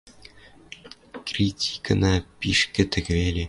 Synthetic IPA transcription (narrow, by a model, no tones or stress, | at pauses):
krʲit̪ʲʰi̥kɤ̆nɑpʲiʃkʲɘ̆t̪ɘ̆kβʲelʲe